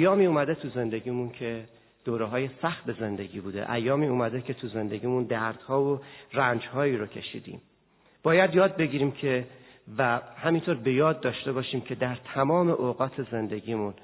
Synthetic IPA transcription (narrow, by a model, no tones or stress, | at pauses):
æjɒːmiːuːmæd̪et̪ʰuze̞nd̪e̞ɟiːmuncʰe̞ | d̪̥oːɾeɦɒːje̞sæxt̪̚e̞ze̞nd̪e̞ɡiːbuːd̪ḛʔæjːɒːmiːuːmæd̪ecʰe̞t̪ʰuze̞nd̪e̞ɟiːmund̪æɾd̪̥hɒːvorænd͡ʒhɒːiːɾocʰe̞̰ʃḭːd̪ḭːm | b̥ɒːjæd̪jɒːd̪̚be̞ɟiːɾiːmcʰe | væhæmint̪ʰoɾbe̞jɒːd̪̚ːɒːʃt̪e̞bɒːʃiːmcʰe̞d̪æɾt̪ʰæmɒːme̞ʔoɣɒːt̪ʰe̞ze̞nd̪e̞ɟiːmun